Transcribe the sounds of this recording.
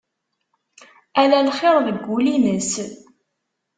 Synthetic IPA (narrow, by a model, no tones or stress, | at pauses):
ælælχɪɾˤðəɡʷːulinəs